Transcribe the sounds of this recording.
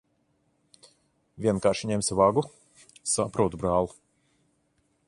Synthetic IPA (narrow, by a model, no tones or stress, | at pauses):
vʲiɛnkaːɾʃiɲɛmʲsʲivaɡu | sapɾuɔt̪ubɾaːlˠu